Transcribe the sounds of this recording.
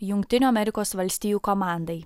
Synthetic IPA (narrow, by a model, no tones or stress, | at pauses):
jʊŋʲkt̪ʲɪnʲuːɐmʲɛɾʲɪkoːsʋɐlʲsʲt̪ʲiːjuːkɔmɑˑnd̪ɐɪ